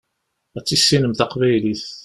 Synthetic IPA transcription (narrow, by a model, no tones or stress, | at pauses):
æt͡sːisːinəmθaqvæjliθ